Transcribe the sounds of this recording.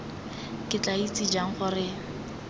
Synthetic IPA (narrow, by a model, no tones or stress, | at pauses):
kʼɪt͡ɬait͡sʼid͡ʒaŋ̩χʊrɪ